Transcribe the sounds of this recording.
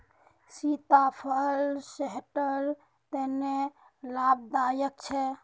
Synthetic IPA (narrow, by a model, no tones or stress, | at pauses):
sit̪apʰəlseɦʈəɾ | t̪ene | lab̚d̪ajək̚t͡ʃʰɛ